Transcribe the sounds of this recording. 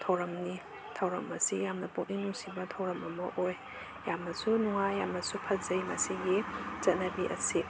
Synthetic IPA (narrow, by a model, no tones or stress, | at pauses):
tʰɐwɾɐmni | tʰɐwɾɐmɐsijamnɐpuk̚ninuŋsibɐtʰɐwɾɐmɐmɐ̰ʔoj | jamɐsunuŋajːamɐsupʰɐt̚zɐjmɐsiɡiz̥ɐt̚nɐbiʔɐ̰si